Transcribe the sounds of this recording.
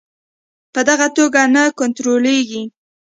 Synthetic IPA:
pəd̪aɣat̪oɡanakʊnt̪ɾoleɡi

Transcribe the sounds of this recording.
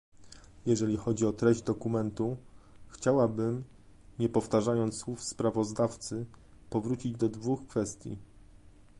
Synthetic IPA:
jɛʐɛlʲixɔd͡ʑiɔt̪ɾɛʑd͡ʑd̪ɔkumɛnt̪uxt͡ɕawabɘm | ɲɛpɔft̪aʐajɔnt̪swufspɾavɔzd̪aft̪sɘ | pɔvɾut͡ɕid͡ʑd̪ɔd̪vuxkfɛst̪ʲjḭ

